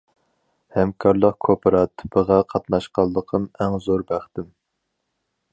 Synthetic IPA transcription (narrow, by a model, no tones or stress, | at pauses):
hɛmkʰɑɾlˠəqkʰopʰɨɾɑt̪ʰːy̥pʰəʁɑqʰɑt̪nɑʃqɑlˠːəqʰəmæŋzoɾbæχt̪ɪm